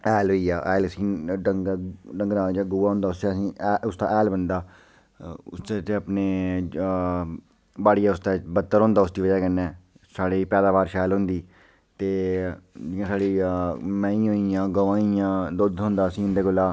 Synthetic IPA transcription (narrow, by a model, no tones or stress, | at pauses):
ɛːlɦoːiːaːʔɛːləsĩːɖəŋɡɖəŋɡɾãːd͡ʒãːɡʊːaːɦʊ̃ːnd̪aːʊst̪esĩːʊst̪a̰ːʔɛːlbənd̪aː | ʊ̰st̪et̪eəpneː | baːɽɪjaːʊst̪eːbət̪ːəɾɦõːnd̪aːʊsd̪iːʋəd͡ʒaːkənːɛ̃ː | saːɽeːpɛːd̪aːʋaːɾʃɛːlɦʊ̃nd̪iː | t̪eːd͡ʒɪjãːsaːɽiːmɛ̃ːĩːɦoːiãːɡəʋãːijãːd̪ʊd̪ɦõːnd̪aːəsĩːnd̪eːɡʊlːaː